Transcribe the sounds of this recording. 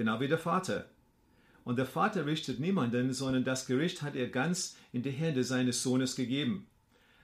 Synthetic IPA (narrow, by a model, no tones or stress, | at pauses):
ənaʊviːdeːɐfaːtʰɐ̰ | ʔʊnt̚d̥eːɐfaːtɐʁɪçtətniːmandənzɔndɐndasɡ̥əʁɪçthateːɐɡant͡sʔɪndiːɦɛndəzaɪnəsz̥oːnəsɡ̥əɡeːbm̩